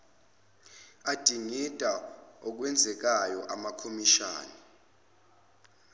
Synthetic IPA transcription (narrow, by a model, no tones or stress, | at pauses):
ad̥ʱiŋitʼaɔk̬wɛnd͡zʱɛk̬ajɔ̰ʔamakʰomiʃa̰ːni